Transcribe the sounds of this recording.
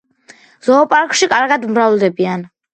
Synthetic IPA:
z̥ɔːpʼaɾkʼʃikʼaɾɡad̪umɾavlˠd̪ɛbian

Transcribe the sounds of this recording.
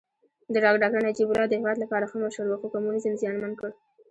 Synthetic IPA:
d̪əɖɑɡɖɑɡaɳad͡ʒibʊlɑd̪əhɪwɑd̪lapɑɾaxəmaʃəɾwəxokomunizəmzjɑnmankəɽ

